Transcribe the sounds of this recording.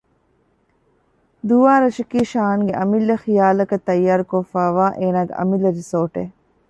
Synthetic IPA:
d̪uʋaːɾɐʃɐkiːʃaːŋɡeʔɐmilːɐxijaːlɐkɐt̪ːɐjːaːɾukofaːʋaːʔeːnaːɡḛʔɐ̰milːɐɾisoːʈeː

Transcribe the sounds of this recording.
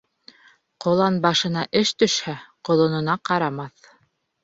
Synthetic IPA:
qŏlˠɑnbɑʃɤ̆nɑʔɘʃt̪ɵ̆ʃhæqŏlˠŏnŏnɑqɑɾɑmɑθ

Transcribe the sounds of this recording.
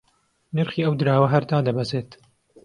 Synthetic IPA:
nɨɾχiːɐwd̪ɨɾaːwɐɦɐɾd̪aːd̪ɐbɐzeːt̪

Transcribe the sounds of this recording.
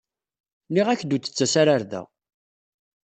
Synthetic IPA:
niʁæçd̪ut͡sːə̥t͡sːæsaɾaɾðæ̰

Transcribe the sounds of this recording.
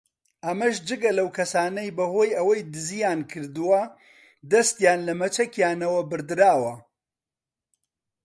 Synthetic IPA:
ʔɐmɐʃd͡ʒɨɡɐlɐwkʰɐsaːnɐjbɐhoːjɐwɐjd̪ɨzijaːnkʰɨɾd̪ɨwɐ | d̪ɐst̪jaːnlɐmɐt͡ʃɐkjaːnɐwɐbɨɾd̪ɨɾaːwɐ

